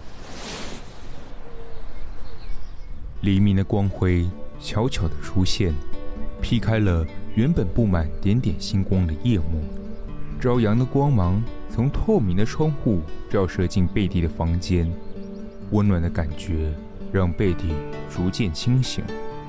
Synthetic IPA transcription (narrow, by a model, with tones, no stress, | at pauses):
li˨˩˥mi˧˥d̪ə˧kwɑ˥ŋxwe˥ɪɕʰjɑ˧˥ʊt͡ɕʰjo˨˩ʊd̪ə˦ʈ͡ʂʰu˥ɕjɛ˥˩npʰi˥kʰa˥ɪlə˧ɥɛ˧˥npə˨˩npu˥˩ma˨˩nt̪jɛ˧˥nt̪jɛ˨˩nɕi˥nkwɑ˥ŋd̪ə˨jɛ˥˧mu˥˩ʈ͡ʂɑ˥ʊjɑ˧˥ŋd̪ə˧kwɑ˥ŋmɑ˧˥ŋt͡sʰʊ˧˥ŋt̪ʰwɔ˥˩mi˧˥ŋd̪ə˧ʈ͡ʂʰwɑ˥ŋxu˥˩˥jɑ˥˧ʊʂɤ˥˧t͡ɕi˥˧npe˥˧ɪt̪i˥˩d̪ə˩fɑ˥ŋt͡ɕjɛ˥n | wə˥nnwa˨˩nd̪ə˦ka˨˩nt͡ɕɥɛ˧˥ | ɻɑ˥˧ŋpe˥˧ɪt̪i˥˩t͡su˧˥t͡ɕjɛ˥˩nt͡ɕʰi˥ŋɕḭ˧˥ŋ